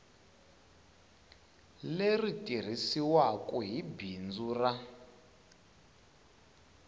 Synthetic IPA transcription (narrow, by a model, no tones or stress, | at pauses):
leritʼir̤isiwakʼuɦibind͡zura